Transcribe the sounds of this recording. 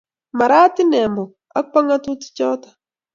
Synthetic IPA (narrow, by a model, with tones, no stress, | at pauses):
ma˨ɾa˦tɪ˦nɛ˨mbɔ˨ | a̰˦k̚pa˦ŋa˦tu˦tɪ̥˦t͡ʃɔ˦tḁ˨